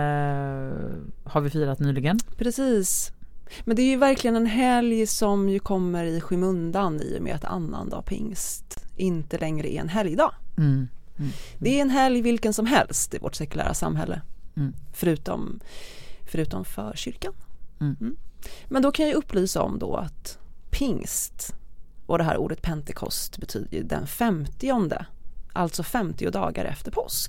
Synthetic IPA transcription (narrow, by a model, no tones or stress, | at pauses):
haɾvɪfiːɾat̪nyːlɪɡənpʰɾɛsiːs | mɛnd̪ɛæɾjɵvæɾklɪɡənɛnɦɛljsɔmjɵkʰɔmːəɾɪɧɪmɵnd̪anḭːʊ̰mʔḛːat̪ʰa̰nːa̰nd̪ɑ̰ːpʰɪ̰ŋst̪ʔɪnt̪əlɛŋɾəʔɛɾɛ̰nɦɛljɪd̪ɑː | d̪̥ɛæɾɛnɦɛljvɪlkənsɔmɦɛlst̪ɪvɔ̰ʈsɛkɵlæ̰ːɾʔa̰sa̰mɦɛlːə | fœɾʉ̟ːt̪ɔ̰m | fœɾʉ̟ːt̪ɔmfœɾɕʏɾkan | mɛnd̪ɔkʰanjɵpːlyːsaɔ̰md̪ɔa̰t̪pʰɪŋst̪ʔɔd̪ɛɦæːɾṵːd̪ət̪̚pʰɛnt̪ɛkʰɔ̰st̪bɛt̪ʰy̰ːd̪əjʉd̪ɛ̰nfɛmt̪ɪɔnd̪əʔalt̪sɔfɛmt̪ɪʊd̪ɑːɡaɾʔɛ̰ft̪əɾpʰɔsk